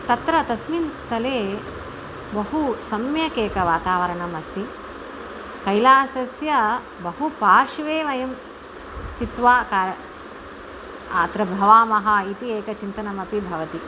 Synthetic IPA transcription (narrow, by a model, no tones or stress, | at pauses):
t̪ɐt̪ɾɐt̪ɐsminst̪ʰɐleː | bɐɦusɐmjɐkeːkɐʋaːt̪aːʋɐɾɐɳɐmɐst̪ʰi | kɐjlaːsɐsjɐ | bɐɦupaːʂʋeːʋɐjɐm | st̪ʰit̪ʋaːkaːɾɐ | aːt̪ɾɐbʱɐʋaːmɐɦɐ̆it̪ieːkɐt͡ʃint̪ɐnɐmɐpibʱɐʋɐt̪i